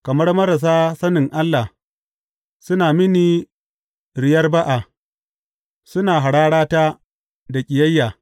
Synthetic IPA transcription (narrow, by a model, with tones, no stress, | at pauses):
kɐ˨mɐ˦rmɐ˦ɾa˨s̬aː˦sɐ˦nɪ˨ŋʔa˦lːa˨h | sʊ˦naː˨mɪ˦niː˨ | ɾɪ˨jɐ˦rba˦ʔa˨ | sʊ˦naː˨ɦa˨ɽaː˦ɽaː˦taː˦ | da˨kʲʼɪ˨jɐ˦jːaː˨